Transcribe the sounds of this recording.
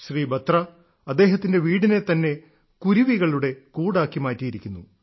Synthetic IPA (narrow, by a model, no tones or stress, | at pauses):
ɕriːbɐt̪rɐ | ɐd̪ːe̞ːɦɐt̪ːinde̞ʋiːɽine̞t̪ɐnːe̞ | kuɾiʋiɣɐɭuɽe̞kuːɽaːkːimaːtːijiɾikʲːunːu